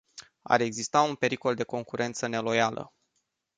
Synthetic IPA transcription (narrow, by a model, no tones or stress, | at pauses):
a̰ɾe̞ɡzist̪aunpe̞ɾiko̞ld̪e̞ko̞ŋkuɾʔe̞nt̪səne̞lo̞jalʔə̰